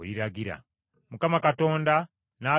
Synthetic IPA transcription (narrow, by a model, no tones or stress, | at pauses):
ɾiɾaɡiɾa̰ | mukamakato̞ːnda | naː